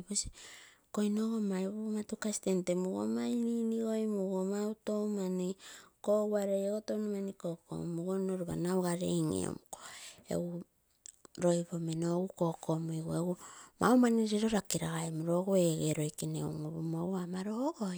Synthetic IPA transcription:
bosi̥kojnoɡomajβumatukasi̥tentemuɡo̰majniniɡo̞jmuɡomautomanikoɡuaɾejeɡotownimanikoko̰muɡonoɾuβa̰nawɡaɾḛjŋḛo̰mukoḛɡu | ɾo̞jβo̞menoɡuko̞kʰo̞mujɡueɡuma̰wmaniɾiɾo̞ɾakiɾaɣaemuɾo̞ɡoeɡeɾo̞jkinewuŋoβomowamaɾoɡo

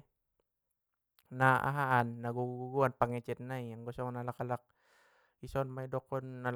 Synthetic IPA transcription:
naa̰ɦaʔanːaɡuɡuɡuɡuanpaŋɛt͡ʃɛt̪̚naiaŋɡɔsɔŋnalakalak̚ | isɔnmaidɔkɔnːal

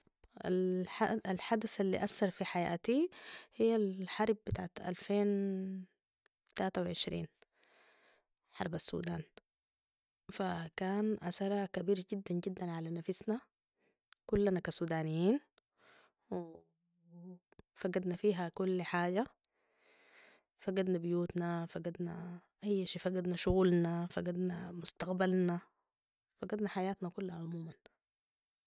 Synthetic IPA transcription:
a̰lħaalħad̪asalːḭʔasːɑɾˤfiħaja̰ːt̪ihijːalħɑɾˤbbɪt̪aːʕat̪ʔa̰lfeːn | t̪alaːt̪awʕɪʃɾḭːn | ħɑ̰ɾˤbasːṵːd̪aːn | fakaːnʔasɑɾˤɑkabiːɾɟid̪ːanɟid̪ːanʕalanafɪsna | kulːanakasuːd̪aːnijiːn | wi | faɡad̪nafiːɦakulːħaːɟa | faɡad̪nabɪjuːt̪nafaɡad̪naʔajːʃiːfaɡad̪naʃʊɣuːlnafaɡad̪namʊst̪aqbalna | faɡad̪naħajaːt̪nakulːhaʕʊmuːman

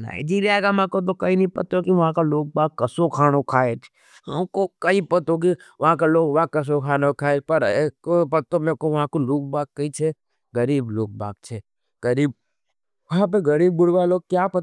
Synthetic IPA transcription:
na̰ːɪd͡ʒiːɾijakamãkot̪̬okɐĩnəĩpɐt̪okiʋɐɦãkaloːɡ̚baːɡkəsokʰaːñokʰaːet͡ʃʰ | əmkokəĩpɐt̪ok̬i | ʋɐɦãk̬aloːɡ̚baɡ̚kːɐs̬okʰaːnokʰaːepɐɾekopɐt̪omẽkoʋɐɦãkoloːk̚baːɡ̚kːəĩt͡ʃʰe | ɡəɾiːbloːk̚ba̰ːɡ̚t͡ʃʰe | ɡəɾiːb̚ | ʋɐɦãp̬eɡɐɾiːbːʊɽʋaloːɡ̚kjapɐt̪

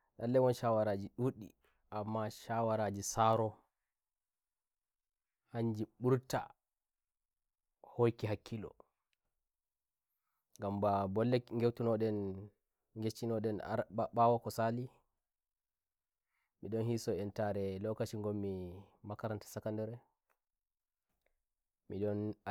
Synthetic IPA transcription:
ɗalːɛwɔnʃawaɾad͡ʒiɗuɗḭ | ʔamːaʃawaɾad͡ʒisaɾɔ | haɲd͡ʒiɓuɾta̰ | hojkiɦakʰːilɔ̰ | ŋɡambabɔlːɛŋɡewtunɔɗɛn | ŋɡet͡ʃːinɔɗɛnɓawakɔsali | miɗɔnhisɔɛntaɾɛlɔkat͡ʃiŋɡɔmːimakaɾantḁsakandɔɾɛ | miɗɔn

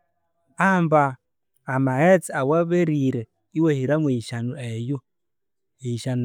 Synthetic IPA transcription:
ambaː | maɛt͡siawaβɛɾiɾɛ | iwehiɾamweiʃanuɛjo | eiʃan

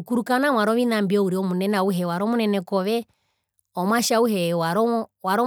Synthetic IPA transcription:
kuɾukanamwaɾɔʋinambiɔuɾiɔmunɛnauɦɛwaɾɔmunɛnɛkɔʋɛ | ɔmwaʃauɦɛwaɾɔwaɾɔ

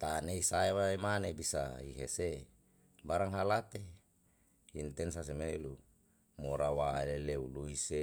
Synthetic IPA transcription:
t̪aneisaewaemanebisa̰iɦḛse | baɾaŋɦalat̪e | int̪ɛnsas̬emelu | moɾawaeleleuluise

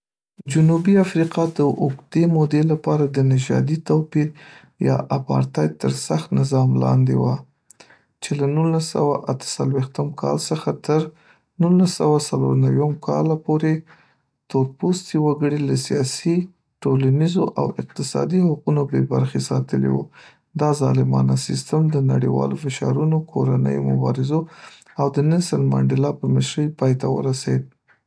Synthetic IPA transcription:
d͡ʒʊnubiafɾiqɑd̪əʔʊɡd̪emod̪elapɑɾad̪ənɪʒɑ̰d̪it̪awpiɾ | jɑ̰ʔapɑ̰ɾt̪ɑjt̪əɾsaxt̪nɪzɑmlɑ̰nd̪ḛwa | t͡ʃelanulasa̰waʔat̪ə̥salwext̪əmkʰɑ̰lsəxat̪əɾ | nulasawasalo̰ɾnawamkʰɑ̰lapoɾe | t̪oɾpust̪iwaɡəɽilasijɑsi | ʈolanizoʔa̰wɪq̚t̪ɪsɑ̰d̪ihaqunobebaɾxesɑt̪əlḛwṵ | d̪ɑzɑlɪmɑ̰nasɪst̪əmd̪ənaɽiwɑ̰lofɪʃɑ̰ɾunokʰoɾanə̰jomʊbɑ̰ɾɪzo | awd̪ənɪsəlmɑ̰ɳɖɪlɑpəməʃɾəjpɑjt̪awə̰ɾased̪̚

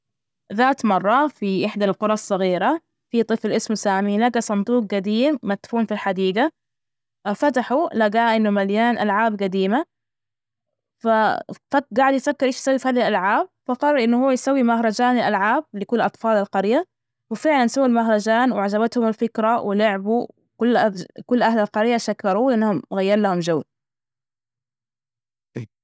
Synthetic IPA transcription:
ðaːt̪mɑrˤːɑfiʔɪħd̪alqʊɾˤɑsˤːɑɣiːɾa | fit̪ˤɨfɪlʔɪsmsaːminaɡasˤɑnd̪uːq̚ɡad̪iːmːat̪ːfuːnfilħad̪iːɡa | fat̪̬aħulaɡaːʔɪnːʊmaljaːnʔalʕaːbɡad̪iːma | fafaɡaʕɪd̪jfakːɪɾʔeːʃjsawːifhaːðilʔalʕaːb̚faqɑrˤɑɾʔɪnːʊhuːajsawːimahɾˤɑd͡ʒaːnɪlʔalʕaːb̚lɪkʊlːʔɑt̪ˤfɑːlalqɑɾja | wɪfɪʕlansawːilmaɦɾˤɑd͡ʒaːnwʕad͡ʒaβat̪hʊmalfɪkɾawɪlʊʕbu | kʊlːʔakʊlːʔahlalqɑɾjaʃakːɑɾˤuːʔɪnːahʊmɣajːɑɾlahʊmd͡ʒawl

